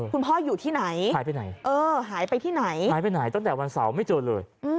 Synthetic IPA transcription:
kʰu˧npʰɔː˥˩juː˨˩t̪ʰiː˥˩na˨˩˦jhaː˩˦jp̬a˧na˩˦jʔɤː˧ɦaː˩˦jpa˧jt̪ʰiː˥˩na˩˦jaː˨˦jpa˧jna˨˩˦jt̪ɔ˥˩ŋt̪ɛː˨˩wa˧nsa˩˦wma˥˩jt͡ɕɤː˧t̪̚lɤ̰ː˧jʔɯ˧

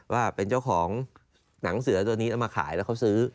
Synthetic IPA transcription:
waː˥˩pe˧nt͡ɕa˥˩wkʰɔː˩˦ŋ | na˩˦ŋsɯ˨˩˦ɐt̪u˧niː˦˥a˧maː˧kʰa̰ː˩˦jlɛ˦˥kʰa˦˥wsɯː˦˥

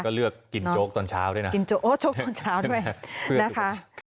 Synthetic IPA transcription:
kɔː˥˩lɯ˥˩əkːi˧˩nː˧˥oː˦˥k̚t̪ɔː˧nt͡ɕʰa̰ː˦˥wdu˥˩jna˦ki˧nt͡ɕoː˦˥ʔoː˦˥t͡ɕoː˦˥ktɔː˧nt͡ɕʰaː˦˥wdu˥˩əjʰɯ˥˩na˦˥kʰa˦˥ʔ

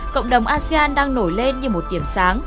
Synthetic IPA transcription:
kə̰˧˨wŋ͡mɗə˨˩wŋ͡mʔaː˧si˧aː˧nɗaː˧ŋno˧˩jle˧nɲɨ˧mo˨˩t̚ɗi˧˩əmsaː˨˦ŋ

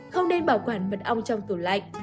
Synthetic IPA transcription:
xə˧wŋ͡mne˧nɓaː˨˩wkwaː˧˨˩nmə˨˩t̚ʔa˧wŋ͡mt͡ɕɔ˧wŋ͡mt̪ɨ˨˧˩la̰˧˨jŋ̟

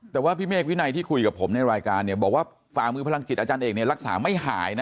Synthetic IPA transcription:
t̪ɛː˨˩waː˥˩pʰiː˥˩meː˥˩k̚wi˦˥na˧jt̪ʰiː˥˩kʰu˧jka˨˩pʰo˩˦mna˧jɾaː˧jkaː˧nːi˥˩ɐbɔː˨˩k̚waː˥˩ | faː˨˩mɯː˧pʰa˧la˧ŋki˨˩ʔaː˧t͡ɕaː˧nʔeː˨˩k̚ni˥˩ɐɾa˦˥k̚sa̰ː˩˦ma˥˩jɦa̰ː˩˦jna˦˥

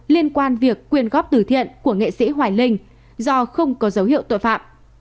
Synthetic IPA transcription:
li˧ənkwaː˧nvi˨˩əkːwi˨˩ənɣɔ˦˥p̚t̪ɨ˧˩t̪ʰḭ˧˨ənku˧˩əŋḛ˧˨sḭ˧˥ɦwaː˨˩jlï˧˩ŋ̟ | zɔ˧xə˧wŋ͡mkɔ˨˦zə˨˦wɦḭ˧˨əwt̪o̰˧˨jfa̰ː˧˨m

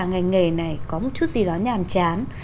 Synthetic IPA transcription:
ŋa˨˩jŋe˨˩na˨˩jkɔ˨˦mo˨˩t̚t͡ɕu˦˥t̚zi˨˩ɗɔ˨˦ɲaː˨˩mt͡ɕaː˨˦n

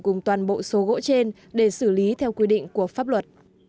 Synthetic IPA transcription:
kʊ˨˩ŋ͡mt̪waː˨˩nɓo̰˧˨so˨˦ɣo̰˧˥t͡ɕe˧n | ɗe˧˩sɨ˧˩li˨˦t̪ʰɛ˧wkwi˧ɗḭ̈˧˨ŋ̟ku˧˩əfaː˦˥p̚lwə˨˩t̚

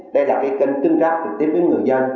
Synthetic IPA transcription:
ɗə˧jlaː˨˩kaː˨˦jkə˧ŋ̟t̪i˧ŋt͡ɕaː˦˥k̚t̪ï˨˩ŋ̚t̪i˨˦ve˨˦nŋɨ˨˩əjzə˧n

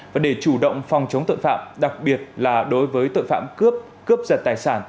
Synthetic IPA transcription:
vaː˨˩ɗe˧˩t͡ɕu˧˩ɗə̰˧˨wŋ͡mfɔ˨˩wŋ͡mt͡ɕə˨˦wŋ͡mt̪o̰˧˨jfa̰ː˧˨mɗa˨˩k̚ɓi˨˩ət̚laː˨˩ɗo˨˦jvəː˨˦jt̪o̰˧˨jfa̰ː˧˨mkɨ˦˥p̚ | kɨ˦˥əp̚zə˨˩t̚t̪aː˨˩jsaː˧˩n

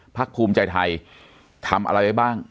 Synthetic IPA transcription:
pʰa˦˥k̚pʰuː˧mt͡ɕa˧jt̪ʰa˧j | t̪ʰa˧mʔa̰˧ɾa˧jda˥˩jbaː˥˩ŋ

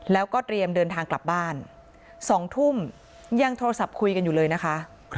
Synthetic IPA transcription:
lɛː˦˥wkɔː˥˩t̪ɾi˧əmdɤː˧nt̪ʰaː˧ŋkla˨˩p̚baː˥˩n | sɔː˩˦ŋt̪ʰu˥˩m | ja˧ŋt̪ʰoː˧ɾa˧sa˨˩p̚kʰu˧jka˧njuː˨˩lɤː˧jna˦˥kʰa˦˥ʔ

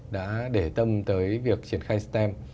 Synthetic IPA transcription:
ɗa̰ː˧˥ɗe˧˩t̪ə˧mt̪əː˨˦jvi˨˩ək̚t͡ɕi˧˩ənxaː˧jst̪ɛ˧m

